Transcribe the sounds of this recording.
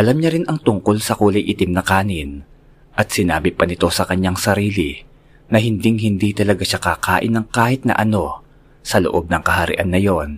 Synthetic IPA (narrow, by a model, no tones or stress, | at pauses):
ʔɐlamɲɐɾɪnʔɐŋt̪ʊŋko̞lsɐkuːlɐjʔɪt̪ɪmnɐkaːnɪn | ʔɐt̪̚sɪnaːbɪpɐnɪt̪o̞sɐkɐɲːaŋsɐɾiːlɪ | nɐɦɪnd̪iŋhɪnd̪it̪ɐlɐɡaʃakaːkaːʔɪ̰nːɐŋkaːhɪt̪̚nɐ̰ʔɐno̞ | sɐlo̰ʔo̞b̚nɐŋkɐɦɐɾɪ̰ʔanːɐjo̞n